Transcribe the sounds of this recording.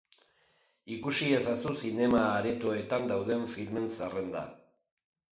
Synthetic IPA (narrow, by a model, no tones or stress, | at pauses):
ikusiesasusine̞maːɾe̞t̪oe̞t̪and̪awðe̞ɱfilme̞nsare̞nd̪a̰